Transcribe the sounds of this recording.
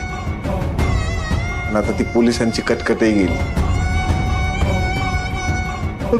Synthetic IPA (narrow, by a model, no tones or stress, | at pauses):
ənat̪at̪iːpolisaɲt͡ɕiːkəʈkəʈeɡeliː